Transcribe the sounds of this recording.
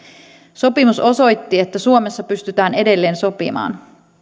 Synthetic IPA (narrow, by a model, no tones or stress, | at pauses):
so̞pimuso̞so̞jt̪ːie̞t̪ːæsuome̞sːɑpyst̪yt̪æːne̞de̞lːe̞ːnso̞pḭmɑ̰ːn